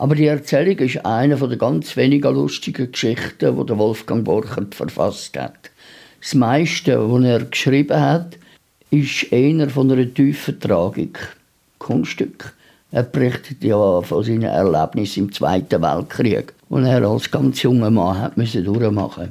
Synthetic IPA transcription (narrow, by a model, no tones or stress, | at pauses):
ʔɑbəɾdiəɛʁt͡sɛlɪɡɪʃa̰ɪnəfodəɡɑnt͡sveniɡəlʊʃtɪɡəkʃɪχtəʋo̰dəʋɔlfɡ̥ɑŋbɔrχərtfə̰ɾfɑ̰sthæ̰t | smaɪʃtəʋonɛːrkʃrib̥əɦat | ɪʃeɪnəɾfonəɾətyːfətrɑːɡɪ̰k | kʰːʊnsʃtʏkχ | ɛːprɪχtʰətjɑfosiːnə̰ʔɛ̰rlæ̰b̥nɪsɪmt͡sv̥a̰ɪtəvæ̰lt̚χriəɡ | o̰nɛːɾɑlsɡ̥ɑnt͡sjʊŋəmɑːɦæ̰tmʏsədʊɾəmɑ̰χə